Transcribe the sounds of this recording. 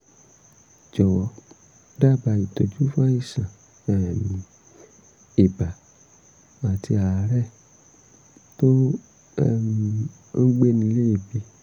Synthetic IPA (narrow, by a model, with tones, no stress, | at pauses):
d͡ʒɔ˨wɔ˧˦ | da˦˨ba˨i˨to˨d͡ʒu˦fã˦i˦˨sã˨ | ɛ˨mĩ˨ | e˨ba˨ | a˨ti˧a˨˦ɾɛ˦˨ | to˦ | m˧ | n̩˦ɡ͡be˦nĩ˧le˦i˦˨bi˧˦